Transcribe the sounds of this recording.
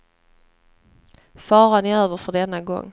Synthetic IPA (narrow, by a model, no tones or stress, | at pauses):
fɑːɾanɪøːvəɾfœɖɛnːaɡɔ̰ŋː